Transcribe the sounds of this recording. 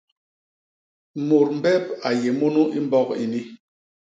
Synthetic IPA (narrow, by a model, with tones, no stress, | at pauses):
mo˨ɾm̩˦bɛ˦p̚a˨je˨mo˦nu˦ʔi˦m˦bɔ˦kḭ˨ni˦